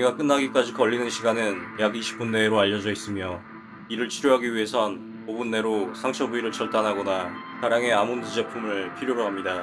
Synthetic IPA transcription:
uɲiɡak͈ɯnːaɡik͈ad͡ʑikʌʎːinɯnɕʰiɡanɯnjaɡiɕʰi̥p͈unːe̞ɾoaʎːʌd͡ʑʌis͈ɯmjʌ | iɾɯɭt͡ɕʰiɾjoɦaɡiɥiɦe̞sʰʌn | pobunːe̞ɾosʰaŋt͡ɕʰʌbuiɾɯɭt͡ɕʌɭt͈anɦaɡʌna | taɾjaŋe̞amondud͡ʑe̞pʰumɯɭpʰiɾjoɾoɦamɲida

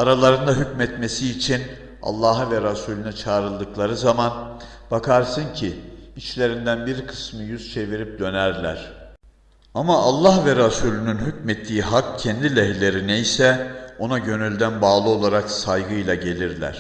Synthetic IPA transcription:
aɾalˠaɾɯnd̪aɦycmɛt̪me̞siːt͡ʃʰin | a̰lˠːaːɦɯvɛɾasuːlʲynyt͡ʃʰaːɾɯlˠd̪ɯklˠaɾɯzaman | bakʰaɾsɯncʰiit͡ʃlʲe̞ɾind̪ænbiɾkʰɯ̥smɯjyzt͡ʃʰe̞viɾip̚d̪ø̞næɾlʲæ̰ɾ̥ | amaalˠːahvɛɾasuːlʲynynɦycmɛt̪ʰːiːɦakcʰɛnd̪ilʲɛɦilʲe̞ɾinejsɛo̞naɟø̞nylʲd̪ænbaːlˠɯo̞lˠaɾaksajɡɯjlˠaɟe̞lʲiɾlʲæ̰ɾ̥

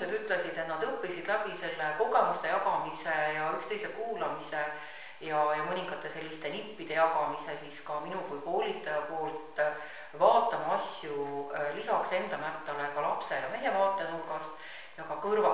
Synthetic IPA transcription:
ed̪yt̪ːˑle̞sid̪̥e̞t̪nɑd̪ɤpːisid̪̥læbise̞lːeko̞ɡ̥e̞must̪e̞jɑɡɑmisejɑykst̪e̞jsekuːlɑmise̞ | jɑjɑmɤnʲiŋɡ̥ɑt̪ˑːe̞se̞lʲːist̪e̞nipːid̪̥e̞jɑɡɑmise̞siskɑminukujko̞ːlʲit̪ːˑɑjɑpo̞ːlt̪ˑ | vɑːt̪ːˑɑmɑɑsʲjulisɑkse̞nd̪̥ɑmæt̪ːˑɑlekɑlɑpse̞jɑme̞ɦe̞vɑːt̪ːˑenurɡɑst̪ | jɑkɑkɤrvɑ

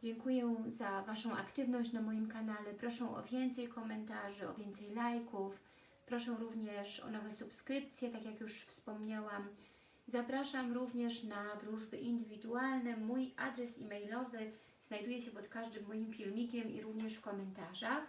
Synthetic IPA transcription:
d͡ʑɛŋkujɛzavaʂɔ̃w̃ʔa̰kt̪ɘvnɔɕt͡ɕnamɔjimkanalɛpɾɔʂɛ̃w̃ʔɔ̰vʲjɛnt̪sɛjkɔmɛnt̪aʐɘɔ̰vʲjɛnt̪sɛjlajkuf | pɾɔʂɛ̃w̃ɾuvɲɛʂɔ̰nɔvɛsupskɾɘp̚t̪sʲjɛt̪akʲjakjuʂfspɔmɲawam | zapɾaʂamɾuvɲɛʂnad̪ɾuʐbɘʔind̪ɘvʲid̪ualnɛmujʔa̰d̪ɾɛsimɛjlɔvɘ | z̥najd̪ujɛɕɛpɔt̪kaʐd̪ɘmːɔjimfʲilmʲikʲɛmḭɾuvɲɛʂfkɔmɛnt̪aʐax

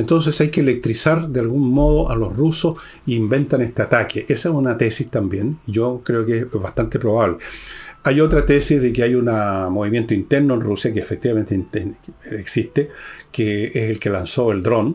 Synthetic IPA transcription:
ent̪ons̬esajkelek̚t̪ɾisaɾd̪ealɣunmoð̞oʔalohrusos | iːmbe̞nt̪anest̪eat̪akʰeʔesaesunat̪esist̪ambjenʝokɾeokeesβast̪ant̪epɾoβaβleajo̞t̪ɾat̪esizðekeajunamoβimje̞nt̪oint̪eɾnoenrusjakeːfek̚t̪iβame̞nt̪ent̪eeksist̪ekeeselkelansoeld̪ɾo̞n

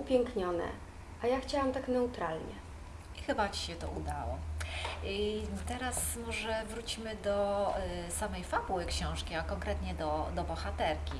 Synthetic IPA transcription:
upʲjɛŋkɲɔnɛ̰ | ʔajaxt͡ɕawamt̪aknɛut̪ɾalɲɛ̰ | ixɘbat͡ɕi̥ɕɛt̪ɔ̰ʔud̪awɔ̰ | t̪ɛɾasmɔʐɛvɾut͡ɕimɘd̪ɔ | samɛjfabuwɘkɕɔ̃w̃ʂkʲiakɔŋkɾɛt̪ɲɛd̪ɔd̪ɔbɔxat̪ɛɾkʲi

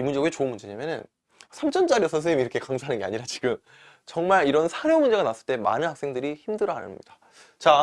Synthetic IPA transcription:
imund͡ʑeɡuet͡ɕoɯnmund͡ʑe̞ɲamjʌnɯ̰n | sʰamt͡ɕ͈ʰʌnt͡ɕ͈aɾiʌsʰʌsʰɯimiɾʌkʰe̞kaŋsʰaɦanɯnɡe̞aɲiɾat͡ɕi̥ɡɯm | t͡ɕʌŋmaɾiɾʌnsʰaɾjʌmund͡ʑe̞ɣanas͈ɯɭt͈ema̰nɯnhak̚s͈e̞ŋdɯɾiçimdɯɾʌɦa̰nɯ̰nɲɲid̥a | t͡ɕa

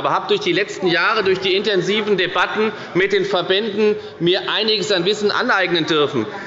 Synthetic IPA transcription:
bɐhaːbəd̥ʊɐçd̥iːlɛt͡stn̩jaːʁ̞ədʊɐçd̥iːɪntɛnziːvn̩debatn̩ | mɪt̚d̥eːnfɛɐbɛndn̩ | miːɐʔaɪnɪɡəsanvɪsn̩ʔa̰nʔaɪɡnəndʏɐfn̩

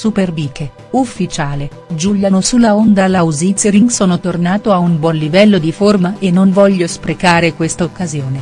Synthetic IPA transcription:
superbiːke | ufːit͡ʃaːle | d͡ʒuljanosulːaond̪alawzit̪seɾiŋsɔːnot̪ornaːt̪oaumbwɔnlivɛlːod̪iformaʔenːonvɔʎːospɾekaːɾekwest̪aokːazjoːne

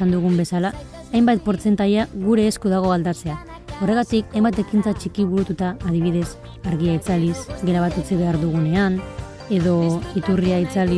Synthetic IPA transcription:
and̪uɣ̞umbe̞salaː | jmbat̪̚po̞ɾt͡se̞nt̪aʎaɣuɾe̞ːskuðaɣ̞o̞ald̪at͡se̞a | o̞re̞ɣ̞at̪ikajmbat̪e̞kint͡sat͡ʃikiβ̞uɾut̪ut̪aːðiβ̞ið̞e̞s | aɾɣiait͡salisɡe̞ɾaβat̪ut͡siβe̞aɾðuɣ̞une̞an | e̞ðo̞it̪uriait͡sali

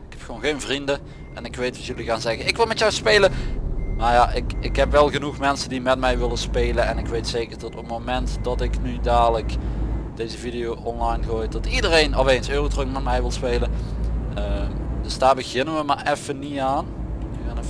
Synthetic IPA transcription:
ɪkhɛpxəʋownɣejnvrində | ʔɛnɪkʋejtʋɑtjɵliɣaːnzɛɣəɪkʋɪlˠmɛtjɔwspeːləmaːɹjaʔɪkɪkɦɛpʋɛlˠɣənuxmɛnsəndimɛt̚mɛjʋɪləspeːlənɛnɪkʋejtseːkəɹdɔtɔpmomɛntdɑtɪknydaːɹləkd̥ejzəvidijowɔnlɑjnɣoːjdɑtidərejnɔfeːnsøːrotrəkmɛtmɛjʋɪlˠspeːlə | əd̥ɵsd̥aːɹbəɣɪnənʋəmaːɹɛfəniaːn | ɣaːnɛ

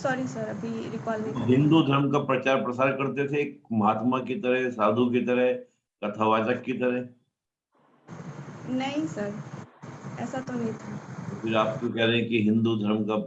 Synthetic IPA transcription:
sɔːɾisɐɾɐbʱiɾɪkaːlmẽɦɪ̃nd̪ud̪ʱɐɾmkapɾɐt͡ʃaːɾpɾɐsaːɾkɐɾt̪et̪ʰeːk̚mɐɦaːt̪makit̪ɐɾɦɛsaːd̪ʱuk̬it̪ɐɾɛɦ | kɐt̪ʰaʋaːd͡ʒəkːit̪̬ɐɾɛɦ | nɐɦĩsɐɾ | ɛːsat̪onɦĩt̪ʰat̪ofɪɾaːp̚kokɛɦɾɛɦɛ̃kiɦɪ̃nd̪ud̪ʱɐɾmka

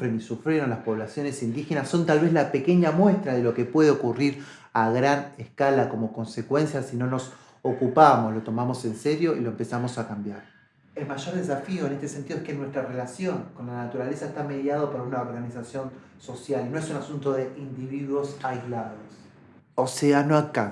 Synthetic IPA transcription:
fɾenisufɾeɾonlaspo̞βlasjo̞ne̞sind̪ixe̞nasːo̞nt̪alβe̞zlape̞ke̞ɲamwe̞st̪ɾaðelo̞ke̞pwe̞ðeokuriɾ | aɣɾanehkalako̞mo̞ko̞nse̞kwe̞nsjasino̞no̞s | okupamoslo̞t̪o̞mamo̞se̞nseɾjo̞ḭlo̞empe̞samo̞sakambjaɾ | e̞lmaʒo̞ɾðe̞s̬afio̞enest̪e̞sent̪iðoekenwe̞st̪ɾarelasjo̞ŋko̞nlanat̪uɾale̞saest̪ame̞ðjaðopoɾunaoɾɣanisasjo̞n | so̞sjalno̞e̞sunasunt̪o̞ðeind̪iβiðwo̞sajzlaðo̞s | oseanoaka

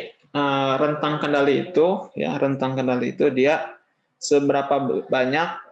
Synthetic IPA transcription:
əɾənt̪aŋkəndaliːt̪uja̰ɾənt̪aŋkəndaliḭt̪udia | səbəɾapabaɲak̚

